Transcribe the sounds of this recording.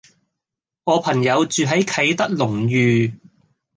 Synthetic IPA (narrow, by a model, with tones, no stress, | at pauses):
ŋɔː˨˧pʰɐ˨˩ŋjɐ˨˧wt͡ʃyː˨ɦɐ˨˥jkʰɐ˨˥jt̪ɐ˥k̚lʊ˨˩ŋjyː˨